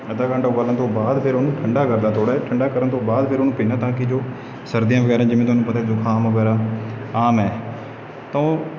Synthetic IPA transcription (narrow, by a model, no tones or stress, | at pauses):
əd̪aːkʰəɳɖaõɡəlːənt̪õːbaːd̪pʰɪɾonũːʈʰəɳɖaːkəɾd̪aːt̪oːɽɛːʈʰəɳɖaːkəɾənt̪õːbaːd̪pʰɪɾoːnũːpiːnaːt̪ãːkɪd͡ʒoː | səɾd̪ijãːʋəɡɛːɾãːd͡ʒɪmẽːt̪ʊoaːnũːpət̪aːkɪd͡ʒoːkʰaːmʋəɡɛːɾaːaːmɛː | t̪ãːõː